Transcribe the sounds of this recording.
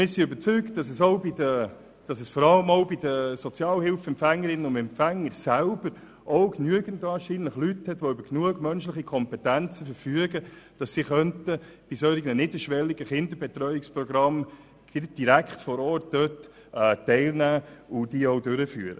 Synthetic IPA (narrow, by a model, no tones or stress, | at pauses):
mɪsiøbəɾt͡sykt̚d̥ɑsəsoʊbidə | d̥ɑsəsfɔɾɑləmoʊbidəsɔt͡sjɑːlhɪlfɛmpfæŋːəɾɪnənʊndɛmpfæŋːəɾsælbəɾ | ʔoʊknyəɡəntvɑːɾʃiːnləχlythɛtʋoʏbəɾknuəɡmœnʃlɪχikʰɔmpɛtænt͡səfəɾfyəɡəd̥ɑsːiχœntəb̥isœʏɪɡnənɪdəʃʋɛlːiɡəχɪndəɾbɛt̪rœʏɪkspɾɔɡɾɑm | ɪd̥iɾækχtfɔɾɔːɾt̚d̥øːtː | tɛɪlnæːʊd̥iːoʊdøɾəfy̰ːɾə̰